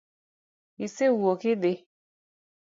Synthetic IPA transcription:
isewuokide

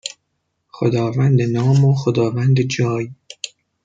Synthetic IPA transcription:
xod̪ɒːvænd̪enɒːmoxod̪ɒːvænd̪ed͡ʒɒːj

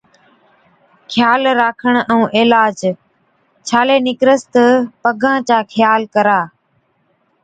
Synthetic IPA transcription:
kʰɪjaːlɾaːkʰəɳ̃ɛ̃ũːʔɪːlaːd͡ʒ | t͡ʃʰaːleːnɪkɾəst̪pəɡʱãːt͡ɕaːkʰɪjaːlkəɾaː

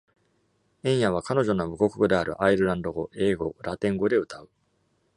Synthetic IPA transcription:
ẽ̞ɰ̃jaβ̞akano̞ʑo̞nomɯ̟ɡo̞kɯ̥kɯ̟d̪e̞aɾɯ̟̰ʔaiɾɯ̟ɾãnd̪o̞ɡo̞ʔe̞ːɡo̞ɾat̪ẽ̞ŋɡo̞d̪e̞ɯ̟t̪aɯ̟

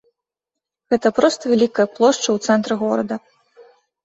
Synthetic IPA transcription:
ɣɛt̪ɐpɾɔst̪ɐvʲalʲikɐjɐplˠɔʂt͡ʂɐwt̪sɛnt̪ɾɨɣɔɾɐd̪ɐ

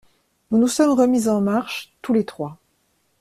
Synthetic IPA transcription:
nunusɔmʁəmizɑ̃maʁʃt̪ulet̪χwa

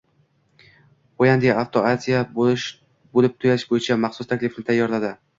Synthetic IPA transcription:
ojand̪eaft̪ʰoazʲija | bolɪp̚t̪ʰʊjaʃbojɪt͡ʃʰamɑχsʊst̪ʰakʲlɪfnɪt̪ʰajːɒɾlad̪ɪ

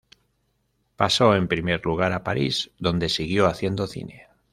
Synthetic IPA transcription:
paso̞e̞mpɾime̞ɾluɣ̞aɾapaɾḭzðo̞nd̪e̞siɣjo̞aθje̞nd̪o̞θḭne̞

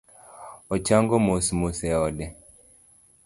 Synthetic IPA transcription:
ɔt͡ʃaŋɡɔmosmosɛɔdɛ

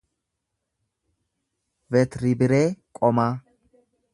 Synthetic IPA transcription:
vɛt̪ɾɪbɪɾeːkʼɔmaː

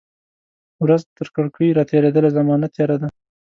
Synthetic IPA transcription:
wɾazt̪əɾkaɽkʰəjɾɑt̪eɾed̪əlazamɑnat̪jɑɾad̪a

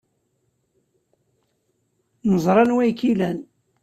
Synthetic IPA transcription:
nəzˤɾˤɑnwæjkːilæn

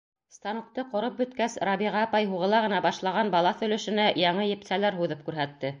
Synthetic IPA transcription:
st̪ɑnŭk̚t̪ɤqŏɾop̚bɵ̆t̪kæsɾɑβiʁɑːpɑjɦuʁɤ̆lˠɑʁɤ̆nɑbɑʃlˠɑʁɑnbɑlˠɑθɵ̆lɵ̆ʃɘ̆næjɑɴɤjɘ̆psælæɾɦuðɤp̚kʉɾɦæt̪ːɘ

